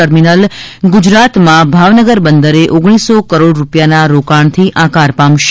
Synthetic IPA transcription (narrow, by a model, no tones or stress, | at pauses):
əɾminəlɡʊd͡ʒɾat̪mãbʱaʋnəɡəɾbənd̪əɾeʔoɡɽ̃isokəɾoɽɾupjanaɾokaɳ̃t̪ʰiʔãkaɾpãmʃ